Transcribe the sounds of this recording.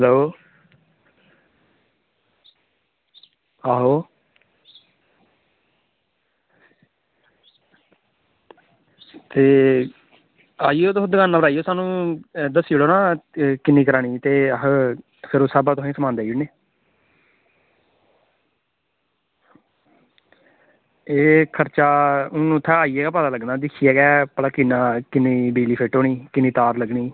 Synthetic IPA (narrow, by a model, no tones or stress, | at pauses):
ɦəloː | aːɦoː | t̪eː | aːijoːt̪ːʊd̪ɡaːnːaːbəɾaːijoːsaːnũːd̪əsːiɽoːnãːkɪnːiːkəɾaːɽiːt̪eːɦ | pʰɪɾoːsaːbaːt̪ʊɦĩːsəmãːnd̪aːiːneː | eːkʰəɾt͡ʃaːnũːt̪ʰːɛːaːiːɛːɡaːpaːd̪aːləɡnaːd̪ɪkʰiːɛːɡɛːpəlaːkɪnãːkɪnːiːbiːliːpʰeːʈoːɳiːkɪnːĩːt̪aːɾləɡɳiː